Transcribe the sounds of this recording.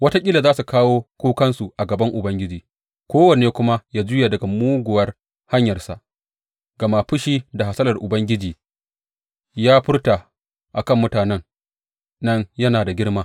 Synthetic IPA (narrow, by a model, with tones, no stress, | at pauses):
wɐ˦ta˦kʲʼɪ˦la˨zaː˦su˨kaː˦woː˦kʷuː˦kɐ˦nsu˨ʔa˨ɡɐ˨bɐ˦ŋʔʊ˨bɐ˦ŋɡʲɪ˦d͡ʒiː˨ | kʷoː˦wɐ˨neː˨kʷʊ˦ma˦jaː˦d͡ʒʊ˦jaː˨dɐ˨ɡa˨muː˦ɡʷʊ˨wɐ˦r | ha˦ɲjɐ˨rsa̰˨ʔ | ɡɐ˨ma˨ɸʊ˦ʃiː˦da˨ɦa˨sɐ˦lɐ˨rʔʊ˨bɐ˦ŋɡʲɪ˦d͡ʒiː˨ | jaː˦ɸɪ˦rta˨ | ʔa˨kɐ˦˨mːʊ˦taː˨nɛ˦ŋ | nɐ˦ɲjɐ˦naː˨da˨ɡʲɪ˦ɽmaː˦